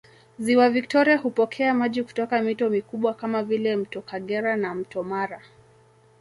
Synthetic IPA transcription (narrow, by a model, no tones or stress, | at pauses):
ziwavik̚tɔɾiahupɔkʰɛamaʄiku̥tɔkamitɔmikuɓwakamavilɛm̩tɔkaɠɛɾanam̩tɔmaɾa